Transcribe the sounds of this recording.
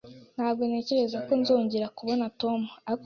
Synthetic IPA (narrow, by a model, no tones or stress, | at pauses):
n̥haːb̚ɡo̞ne̞ːce̞ɾe̞zako̞nzoːɲɟeɾakuβo̞nato̞muak